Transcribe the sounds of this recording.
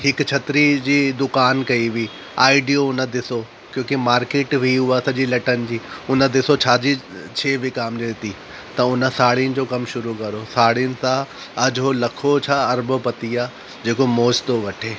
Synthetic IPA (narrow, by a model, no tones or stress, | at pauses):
ɦɪkt͡ɕʰɐt̪ɾid͡ʑiːd̪ʊkaːnkɐiʋiː | a̰ːɪɖijoʊnə̆d̪ɪso | kjõːkimaːɾkeːʈʋʱiɦuasɐʄilɐʈənɪ̆d͡ʑiːʊnə̆d̪ɪsot͡ɕʰaːd͡ʑit͡ɕʰeːʋʱɪkaːmd͡ʑiɪt̪i | t̪ɐʊnə̆saːɽiənɪ̆d͡ʑoːkɐmʃʊɾukɐɾosaːɽijʊnɪ̆sã | ɐd͡ʑɦolɐkʰot͡ɕʰaːɐɾbopɐt̪iaː | d͡ʑeːkomoːd͡ʑt̪oʋɐʈʰeː